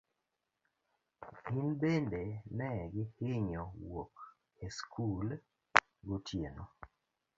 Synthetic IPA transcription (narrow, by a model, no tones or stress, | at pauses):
inbendenɛɡɪhɪɲɔwok | eskʰul | ɡotʰjeno